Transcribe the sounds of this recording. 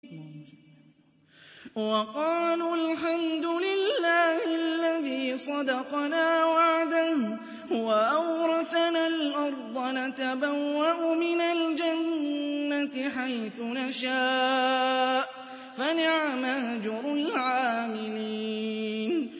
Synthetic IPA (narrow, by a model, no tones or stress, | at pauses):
wɑqɑːlulħamd̪ʊlɪlːaːhɪlːaðiːsˤɑd̪ɑqnaːwaʕd̪ah | hʊwaʔawɾˤɑθnalʔɑɾˤd̪ˤɑnat̪abawːaʔʊmɪnald͡ʒanːat̪ɪħajθʊnaʃaː | ʔ | fanɪʕamahd͡ʒʊɾˤlʕaːmɪliːn